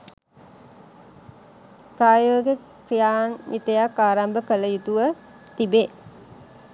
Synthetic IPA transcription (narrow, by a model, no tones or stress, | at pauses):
pɾaːjoːɡe | krijaːnʋit̪əjakːaːɾambəkələjut̪uʋə | t̪ibe